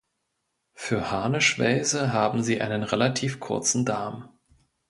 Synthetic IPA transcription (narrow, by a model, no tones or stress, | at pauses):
fyːɐhaɐnəʃv̥a̰ɪzəɦaːbm̩ziːʔa̰ɪnənʁelatʰiːfkʰʊ̰ɐt͡sn̩daːm